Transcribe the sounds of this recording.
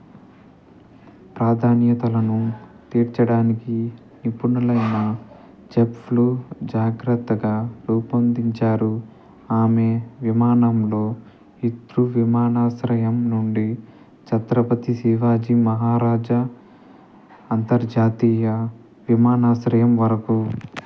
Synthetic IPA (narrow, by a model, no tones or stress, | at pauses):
pɾaːd̪ʱaːnjɐt̪ɐlɐnut̪iːɾt͡ʃɐɽaːniki | nipunɐlɐjnɐ | d͡ʒepʰlud͡ʒaːɡɾɐt̪ːɐɡaːɾɐwpɐnd̪iɲt͡ʃaːɾu | aːme̞ʋimaːnɐmlo̞ː | it̪ɾuʋimaːnaːsɾɐjɐmnuɳɖi | t͡ʃɐt̪ɾɐpɐt̪isiːʋaːd͡ʒimɐɦaːɾaːd͡ʒɐ | nt̪ɐɾd͡ʒaːt̪iːjɐ | ʋimaːnaːsɾɐjɐmʋɐɾɐku